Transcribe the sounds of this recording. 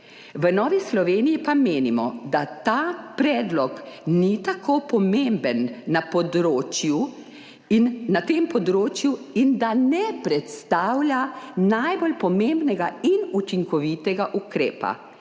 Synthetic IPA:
ʋənɔːʋislɔʋeːnijipameːnimɔ̰d̪at̪aːpɾɛːd̪lɔknit̪akʰoːpɔmembənːapɔd̪ɾoːt͡ʃju | nat̪empɔd̪ɾoːt͡ʃjuind̪anɛpɾɛt̪st̪aːwlʲanajbolpɔmembnɛɡainut͡ʃiŋkɔʋit̪ɛɡaʔukɾeːpa̰

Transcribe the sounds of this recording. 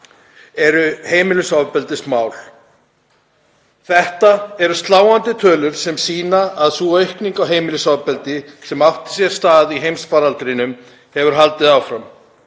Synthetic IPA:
ɛɾʏheːjmɪlʏsawvpɛlt̪ɪsmaːwl̥ | θɛht̪aɛɾʏst̪laːwant̪ɪt̪ʰœːlʏɾ̥sɛmsiːnaːðsuœɥhkniŋkawɦeːjmɪlʏsawpɛlt̪ɪsɛmawht̪ɪ̥sjɛɾ̥st̪aːðiɦejmsfaɾalt̪ɾɪnʏm | hɛvʏɾɦalt̪ɪðaːwfɾam

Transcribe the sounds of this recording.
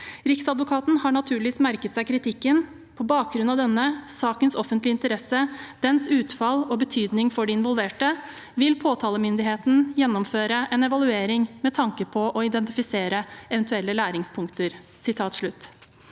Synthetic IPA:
ɾɪksɑd̪ʋʊkʰɑːt̪n̩hɑɳɑt̪ʰʉːɭɪʋiːsmæɾkət̪sæɪkʰɾɪt̪ʰɪkːən | pʰɔbɑːk̚ɡɾʉnɑʋd̪ɛnːəsɑːkənsɔfənt̪lɪɪnt̪əɾɛsəd̪̥ɛnsʉːt̪fɑlɔbət̪ʰyːd̪nɪŋfɔɖiɪnʋɔlʋeːʈə | ʋɪlpʰoːt̪ʰɑːləmʏnd̪ɪɦeːt̪n̩jɛnːɔmføːɾəʔɛnɛʋɑlʉeːɾɪŋmɛt̪ʰɑŋkəpʰɔʔɔɪd̪ɛnt̪ɪfɪseːɾəɛʋənt̪ʉɛlːəlæːɾɪŋspʰʊŋkt̪əɾ | sɪt̪ʰɑːt̪ʂɭʉt̪ː

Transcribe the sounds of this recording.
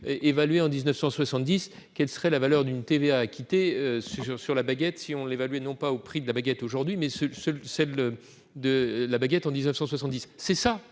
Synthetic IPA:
ʔevalɥeɑ̃d̪iznœfsɑ̃swasɑ̃t̪̚d̪is | kʲɛlsə̥ʁɛlavalœʁd̪ynt̪eveaːkʲit̪eøsʁsyʁlabaɡʲɛt̪siɔ̃levalɥɛnɔ̃paopχid̪əlabaɡɛt̪oʒuʁd̪ɥimɛsəsəlsɛl | d̪əlabaɡʲɛt̪ɑ̃d̪iznəfsɑ̃swasɑ̃t̪d̪isːɛsa

